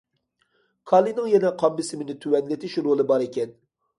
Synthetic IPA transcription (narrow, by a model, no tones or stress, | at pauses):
kʰɑlˠinɨŋjɛnɛqʰɑmbɪsɪmɪnɪt̪ʰywɛnlɪt̪ʰɪʃɾolˠɨbɑɾekʲɛn